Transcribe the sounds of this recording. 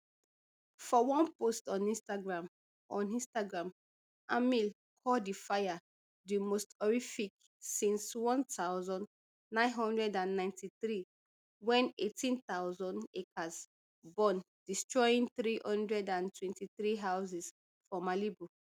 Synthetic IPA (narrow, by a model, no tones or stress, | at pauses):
fɔwɔ̃npostɔ̃nĩnstaɡɹãm | ɔ̃nĩnstaɡɹãm | amil | kʰɔdifaja | dimostɔɹifik̚ | sĩnswɔ̃ntʰawzɔ̃nː | ãɪ̃nɦɔ̃ndɹɛdãnːãɪ̃ntiθɹi | wɛ̃netʰĩntaʊzɔ̃nekʰas | bɔ̃n | distɹɔjĩnθɹihɔ̃ndɹɛdãntwɛ̃ntiθɹiɦawzis | fɔmalibu